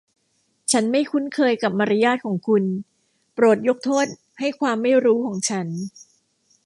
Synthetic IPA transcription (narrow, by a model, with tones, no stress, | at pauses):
t͡ɕʰa˦˥nma˥˩jkʰu˦˥nkʰɤː˧jka˨˩p̚ma˧ɾa˦˥jaː˥˩t̪̚kʰɔː˩˦ŋkʰu˧n | pɾo˨˩t̪̚jo˦˥k̚t̪ʰoː˥˩t̪̚ | ha˥˩jkʰwaː˧mːa˥˩jɾuː˦˥kʰɔː˩˦ŋt͡ɕʰa˦˥n